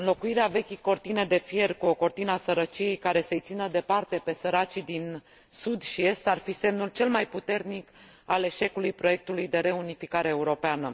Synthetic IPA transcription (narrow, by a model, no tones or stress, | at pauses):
ɨnlo̞kuiɾeave̞kʲijko̞rt̪ine̞d̪e̞fje̞rkuo̞ko̞rt̪inəasəɾət͡ʃije̞jkaɾe̞sejt̪sinəd̪e̞part̪e̞pe̞səɾat͡ʃid̪in | sud̪ʃie̞st̪arfise̞mnult͡ʃe̞lmajput̪e̞rnik | ale̞ʃe̞kulujpɾo̞je̞k̚t̪ulujd̪e̞ɾe̞unifikaɾe̞ːuɾo̞peanə